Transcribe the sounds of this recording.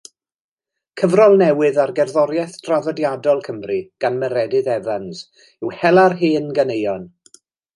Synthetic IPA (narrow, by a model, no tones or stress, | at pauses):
kʰəvrɔlˠnɛwɨðarɡɛrðɔɾjɛθd̥ravɔdjadɔlˠkʰəmriɡ̥anməɾɛdɨðɛvans | ɪwhɛlˠarɦiːənɡənejɔn